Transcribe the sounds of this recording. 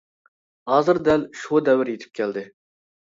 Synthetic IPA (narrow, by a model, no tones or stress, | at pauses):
hɑːzɨɾd̪ɛlʃud̪ɛwɪɾjet̪ʰɪ̥p̚kʲʰɛld̪ɪ